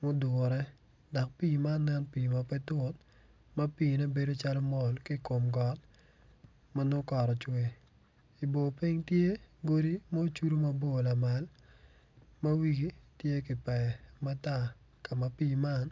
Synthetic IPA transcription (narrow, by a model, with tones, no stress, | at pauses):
mo˦dwʊ˨ɾɛ˦ | dɔ˨k̚piː˦˨ma˦nnɛ˦npiː˨ma˨pɛ˦tʊ˦t̚ | ma˦piː˨nɛ˦be˦do˦t͡ʃa˦lo˦mɔ˨lki˦˨ko˨mɡɔ˨t̚ | ma˦no˦kɔ˨ɾɔ˨t͡ʃwe˨ | i˨bo˨pi˦ŋtje˦ɡo˦ɾi˦mo˦o˦t͡ʃu˦ɾu˦ma˨bo˨la˨ma˨l | ma˦wi˦ɡi˦tje˦kɪ˨pɛ˨ma˦ta˦˨ | ka˨ma˨piː˦ma˦n